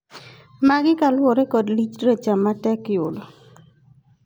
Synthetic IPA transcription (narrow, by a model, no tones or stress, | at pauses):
maɡɪkalwɔɾekɔdlit͡ʃɾet͡ʃamatɛkɪjʊlɔ